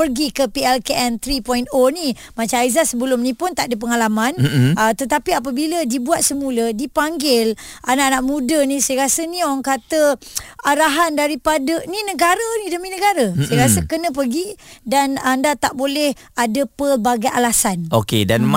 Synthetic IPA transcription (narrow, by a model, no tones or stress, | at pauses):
pərɡikəpiɛlkeʔɛnt̪ɾipɔjnoni | mat͡ʃaaizasəbəlʊmnĩpʊnt̪aʔdəp̬əŋalamanət̪ət̪apiap̬əbilədibuat̪̚səmulədipaŋɡɪl | ʔanaʔanaʔmũdənĩsəjəkasənĩɔŋkat̪əaɾaɦandaɾipadəninəɡaɾənidəminəɡaɾəsəjəkasəkənə̃p̬ərɡidanandat̪aʔbolɛh | adəpəbaɡajʔalasanokḛdanm